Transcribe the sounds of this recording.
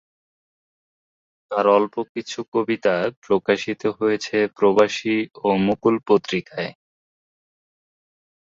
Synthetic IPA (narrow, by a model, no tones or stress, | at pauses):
t̪aɾɔlpokit͡ɕʰukobit̪apɾokaʃit̪oɦojet͡ɕʰepɾobaʃiomukulpot̪ːɾikae